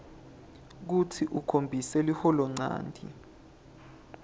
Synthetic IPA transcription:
k̬utʰiʔukʰombʱisɛlihɔlɔŋ͡ǀa̰ːndʱḭ

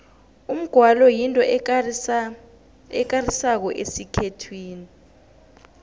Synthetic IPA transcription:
um̩ɡ̥ʱwalɔjintʼɔ | ɛk̬arisak̬ɔʔesikʰetʰwiːni

